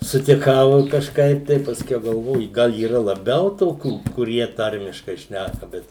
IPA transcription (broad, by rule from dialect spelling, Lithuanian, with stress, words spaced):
sʊtʲɪˈkɐʊ ɪ kɐʃˈkɐɪp tɐɪ pɐsʲˈkʲɛʊ ɡɐlˠˈʋoːjʊ ˈɡɐlˠ iːˈrɐ lˠɐˈbʲɛʊ ˈtoːkʲuː kʊˈrʲiɛ ˈtɐrʲmʲɪʃkɐɪ ˈʃʲnʲækɐ ˈbʲɛt